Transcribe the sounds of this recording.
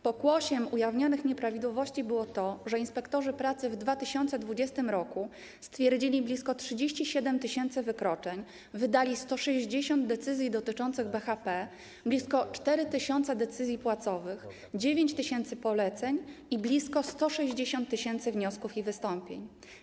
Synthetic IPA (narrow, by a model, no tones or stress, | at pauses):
pɔɡwɔɕɛmujavɲɔnɘxɲɛpɾavʲid̪wɔvɔɕt͡ɕibɘwɔt̪ɔʐɛinspɛkt̪ɔʐɘpɾat̪sɘvd̪vat̪ɘɕɔnt̪sɛd̪vud͡ʑɛst̪ɘmɾɔku | st̪fʲjɛɾd͡ʑilʲiblʲiskɔtʂɘd͡ʑeɕt͡ɕiɕɛd̪ɛmt̪ɘɕɛnt̪sɘvɘkɾɔt͡ʂɛɲ | vɘd̪alʲist̪ɔʂɛʑd͡ʑeɕɔnd̪̚d̪ɛt̪sɘzʲjid̪ɔt̪ɘt͡ʂɔnt̪sɘɣbɛxapɛ | blʲiskɔt͡ʂt̪ɛɾɘt̪ɘɕɔnt̪sɛd̪ɛt̪sɘzʲjipwat̪sɔvɘx | d͡ʑevʲjeɲt͡ɕt̪ɘɕɛnt̪sɘpɔlɛt̪sɛɲiblʲiskɔst̪ɔʂɛʑd͡ʑeɕɔnt̪ːɘɕɛnt̪sɘvɲɔskufivɘst̪ɔmpʲjḛɲ